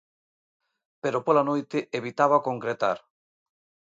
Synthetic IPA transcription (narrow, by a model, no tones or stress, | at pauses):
peɾopolanojt̪ɪʔeβit̪aβakoŋkɾet̪a̰ɾ